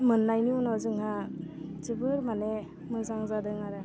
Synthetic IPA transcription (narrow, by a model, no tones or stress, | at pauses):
mɯnːajniunɔzɯŋhat͡ʃibɯɾmane | mɯzaŋzadɯŋaɾɯ